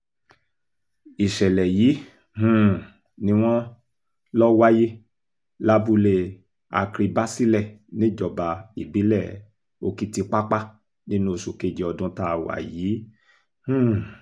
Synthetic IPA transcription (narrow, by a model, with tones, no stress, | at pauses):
i˨ʃɛ˨lɛ˨jiː˨˦ | hũ˦˨ | nĩ˧˦w̃ɔ̃˦ | lɔ˦wa˦je˦ | la˦bu˧le˧ | a̰˧kɾi˧ba˦si˦lɛ˦˨nĩ˦d͡ʒɔ˧˨ba˨i˨bi˨˦lɛ˦˨ | o˧ki˦ti˧k͡pa˦k͡pa˦ | nĩ˦nũ˦o˨su˨ke˦˨d͡ʒɛ˧˦ɔ˧dũ˦ta˦˨wa̰˨jiː˨˦ | hũ˦˨